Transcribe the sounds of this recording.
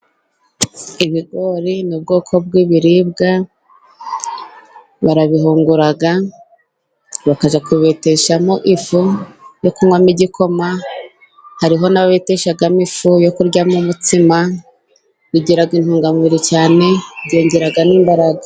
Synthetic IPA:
iβiɡo̞ɾinub̚ɡo̞ːkʰo̞b̚ɡiβiɾiːbɡa | βaɾaβiɦuːŋɡuɾaɡa | βakaʒakuβete̞ʃamo̞ʔifujo̞kumwamiɟikʰo̞ma | haɾiɦo̞naβaβeteʃaɡamifujo̞kuɾɟamumutima | βiɟiɾaɡinhuːŋɡamiɾicaːne̞ɟeːɲɟeɾaɡaniːmbaɾaɡa

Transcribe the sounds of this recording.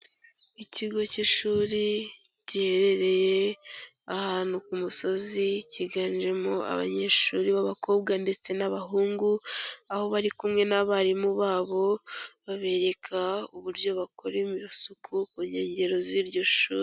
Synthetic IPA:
iciɡo̞ciʃuːɾi | ɟihe̞ɾe̞ɾe̞je | ahaːnukumuso̞ziciɡaːnʒe̞moa̰βa̰ɲe̞ʃuːɾiβaβakʰo̞ːbɡande̞t͡se̞naβaɦuːŋɡuaho̞βaɾikumŋe̞naβaɾimuβaːβo̞βaβe̞ɾe̞kʰauβuɾɟo̞βakʰoɾemiβasukʰukuɲe̞ːɲɟe̞ɾo̞ziɾɟo̞ʃṵːɾi

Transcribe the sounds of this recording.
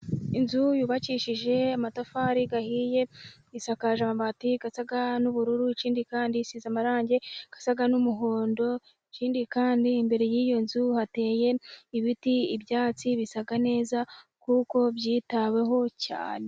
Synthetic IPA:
inzujuːβaciʃiʒe̞amatafaɾiɡahiːje̞ | isakaʒamaβatiɡasaɡanuβuɾuɾuit͡ʃiːndikaːndisizamaɾaːɲɟe̞ɡ̥ḁsaɡanumuɦoːndo̞ | it͡ʃiːndikaːndiːmbe̞ɾe̞jiːjo̞nzuhate̞ːje̞iβitiibjaːt͡siβisaɡane̞ːzakuko̞bjiːtawe̞ɦo̞ca̰ːne̞

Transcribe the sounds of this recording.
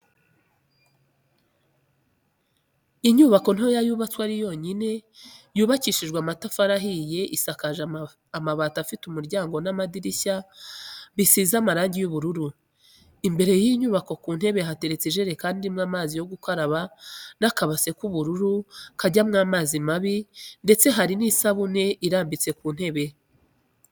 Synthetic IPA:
iɲuːβako̞n̥ho̞jajuβat͡swaɾijo̞ːɲine̞juːβaciʃiʒɡwamatafaɾaɦije̞ʔisakaʒ | amaβaːtafitumuɾɟaːŋɡo̞namadiɾiɕa | βisiːzamaɾaːɲɟijuβuɾuɾu | imbe̞ɾe̞jiːɲuβako̞kuːn̥he̞βe̞ɦate̞ɾet͡siʒe̞ɾe̞kaːndiimŋaːmaːzijo̞ɡukaɾaβanakaβase̞kuβuɾuɾukaɟamŋaːmaːzimaβinde̞t͡se̞ɦaɾinisaβune̞ʔiɾaːmbit͡se̞kuːn̥he̞βe̞

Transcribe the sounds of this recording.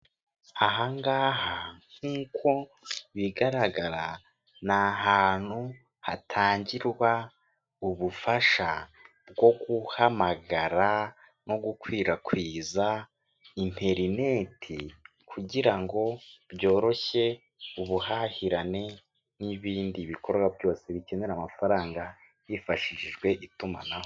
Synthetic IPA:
aɦaŋɡaːhaŋ̥uːkʰo̞ | βiɡaɾaɡaɾa | naɦaːn̥u | hatʰaːɲɟiɾwa | uβufaʃa | b̚ɡo̞ɡuhamaɡaɾa | no̞ɡukwiːɾakwiːza | im̥ʰe̞ɾine̞ːtʰi | kʰuɟiɾaŋɡo̞βjo̞ːɾo̞çe̞ | uβuhahiɾane̞ | niβiːndiβiko̞ɾɡwabjo̞ːse̞βice̞ne̞ɾamafaɾaːŋɡa | jifaʃiʃiʒɡwe̞ʔituma̰naho

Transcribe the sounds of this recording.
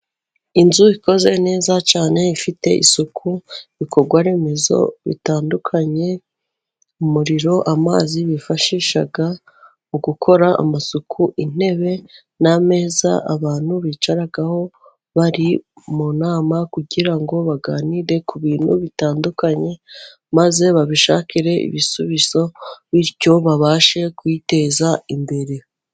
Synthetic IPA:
inzuiko̞ze̞ne̞ːzat͡ʃaːne̞ifite̞̰ʔḭsukʰuβiko̞ɾɡwaɾeːmezo̞̰βḭtaːndukʰaɲe̞ | umuɾiɾo̞ʔama̰ːziβifaʃiʃa̰ɡa | uɡukʰo̞ɾaa̰masukʰuʔin̥e̞βe̞ | name̞ːza̰ʔaβaːn̥huβiːt͡ʃaɾaɡaho̞ | βaɾi | munaːmakuɟiɾaŋɡo̞βaɡaːniɾe̞kuβiːn̥hṵβitaːndukaɲe̞ | maze̞βaβiʃa̰ːkiɾe̞ʔḭβisuβizo̞βiɾɟo̞βaβaːʃe̞kwite̞ːzaimbe̞ɾe

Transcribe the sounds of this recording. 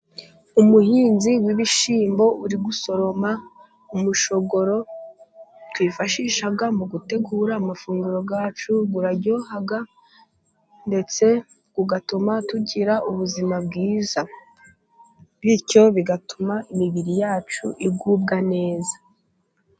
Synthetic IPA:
umuhiːnziwiβiʃiːmbo̞uɾiɡuso̞ɾo̞ma | umuʃo̞ɡo̞ɾo̞ | twifaʃiʃaɡamuɡute̞ɡuːɾaːmafuːŋɡuɾo̞ɡaːt͡ʃuɡuɾaɟo̞ːhaɡa | nde̞t͡se̞ | ɡuɡatumatuɟiɾaʔuβuzimabɡiːza | βico̞βiɡatʰumaʔimiβiɾijaːt͡ʃṵʔib̚ɡuːb̚ɡane̞ːza

